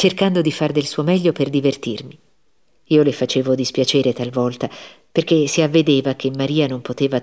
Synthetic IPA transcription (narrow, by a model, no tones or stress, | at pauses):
t͡ʃerkand̪od̪ifard̪elsuːomɛʎːoperd̪ivert̪irmi | iːolefat͡ʃeːvod̪ispjat͡ʃeːɾet̪alvɔlt̪a | perk̟esiavːed̪eːvak̟emːaɾiːanompot̪eːva